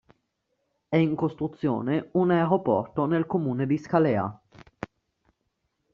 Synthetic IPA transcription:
ɛiŋkost̪ɾut̪sːjo̰ːneunaeɾopɔ̰rt̪onelkomuːned̪iskalɛːa̰

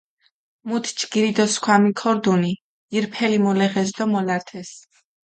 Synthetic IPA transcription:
mut̪ʰt͡ʃɡ̥iɾid̪ɔskʰwamikʰɔɾd̪uniː | ɾpʰɛlimɔlɛχɛsd̪ɔmɔlaɾt̪ʰɛs

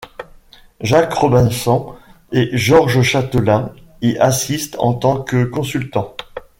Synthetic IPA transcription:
ʒakʁɔbɛ̃sɑ̃ | eʒɔʁʒəʃat̪əlɛ̃ | iʔasist̪ɑ̰̃t̪ɑ̃kəkɔ̃sylt̪ɑ̃

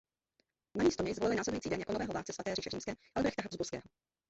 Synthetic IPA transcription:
namiːst̪oɲɛjzvolɪlɪnaːslɛdujiːt͡siːdɛnjakonovɛːɦɔvaːlt͡sɛsvat̪ɛːriːʃɛriːmskɛːʔalbɾɛxt̪aɦazbuɾskɛ̰ːɦɔ

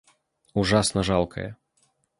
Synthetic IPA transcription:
uʐasnɐʐalˠkʰɐ̰jɛ̰

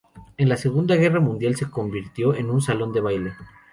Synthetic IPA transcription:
e̞nlase̞ɣund̪aɣe̞ramũnd̪jalse̞ko̞mbiɾt̪jo̞e̞nũnsalo̞nd̪e̞β̞ajle

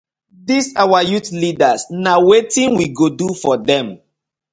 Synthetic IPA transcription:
disawajutlidasnawetĩnwiɡodufɔdɛ̃m

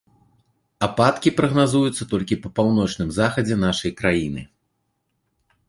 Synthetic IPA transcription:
apat̪kʲipɾɐɣnazujut̪sːɐt̪ɔlʲkʲipɐpawnɔt͡ʂnɨmzaxɐd͡zʲɛn̪aʂɐjkɾajinɨ̰

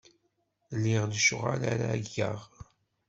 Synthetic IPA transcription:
lːɪʁðəʃʊʁalaɾaɡːəʁ

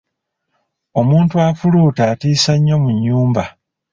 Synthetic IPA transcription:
o̞muːntuafuluːtaːtiːsaɲːo̞muɲːuːmba

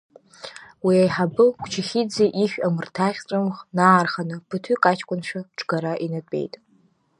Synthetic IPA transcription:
wiajħabɨkʷt͡ʃʰɪχʲid͡zeʔiʃʷᶣamɨrtʰaχʲt͡sʷʼɨmχnaːrχanɨpʰɨtʰykʼat͡ʃʰkʷʼʊnʃʷᶣaʈ͡ʂʰʼɡ̥aɾaʔinatʼḛjtʼ

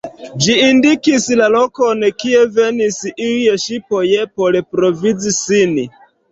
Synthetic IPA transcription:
d͡ʒiːndikislalokonkie̞venisilieʃipojepolepɾovid͡zisin

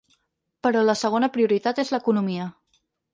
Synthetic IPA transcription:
pəɾɔləsəɣ̞onəpɾiuɾit̪at̪ezləkunumiə

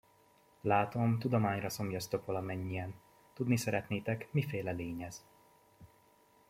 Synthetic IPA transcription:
laːt̪o̞mt̪ud̪omaːɲrɒso̞mjɒst̪o̞kʋɒlɒmɛɲːijɛn | t̪ud̪nisɛɾɛt̪neːt̪ɛkmifeːlɛleːɲɛz̥

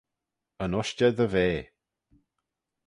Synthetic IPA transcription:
ənɔʃt͡ʃɛðəveː

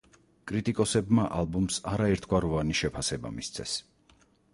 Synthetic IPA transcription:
kʼɾit̪ʼikʼɔsɛbmaʔalˠbumsaɾaɛɾt̪ʰɡwaɾɔvaniʃɛpʰasɛba̰mist̪sʰɛ̰s

